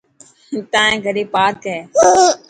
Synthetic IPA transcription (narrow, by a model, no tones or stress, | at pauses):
t̪ãːẽɡʱəɾiːpaːkɦɛː